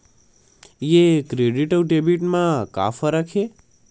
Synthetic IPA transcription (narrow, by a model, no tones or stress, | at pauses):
jekɾeɖiʈəʋʈebiʈmãka̰faɾakʰe